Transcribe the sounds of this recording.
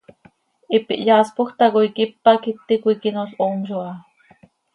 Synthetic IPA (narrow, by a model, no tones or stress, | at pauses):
ipḭʔjaːspoxt̪ɑkoikipːɑkit̪ːikʷiikinosʔoːmʃoɑ